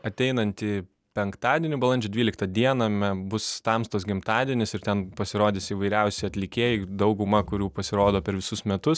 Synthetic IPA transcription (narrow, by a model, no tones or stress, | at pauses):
ɐt̪ʲɛɪnɐnʲt̪ʲɪ | pʲɛŋkt̪ɑːd̪ʲiɛnʲɪbɐlˠɐnʲd͡ʒʲɛːd̪ʲʋʲiːlʲɪkt̪ɐd̪ʲiɛnɐmʲɛbʊst̪ɑmst̪oːsɡʲɪmt̪ɑːd̪ʲiɛnʲɪsɪɾt̪ʲɛnpɐsʲɪɾoːd̪ʲɪːsiːʋɐɪɾʲɛʊsʲɪɐt̪ʲlʲɪkʲeːjɪd̪ɐʊɡʊmɐkʊɾʲuːpɐsʲɪɾoːd̪oːpʲɛɾʋʲɪsʊsmʲɛt̪ʊs